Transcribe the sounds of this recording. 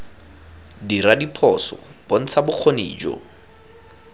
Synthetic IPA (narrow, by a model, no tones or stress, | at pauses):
diradipʰɔsɔ̰b̥on̩t͡sʰabʊk͡xʰonḭːd͡ʒɔ̰